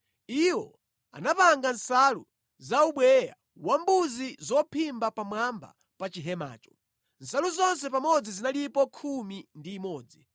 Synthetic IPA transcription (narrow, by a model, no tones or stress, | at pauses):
iwɔ | a̰napaŋɡansalu | zauɓwɛja̰ | wambuzizɔpʰimbapamwamba̰ | pat͡ʃiɦɛma̰ːt͡ʃɔ̥ | nsaluzɔns̬ɛpamɔd͡zizinalipɔkʰumindiːmɔːd͡zi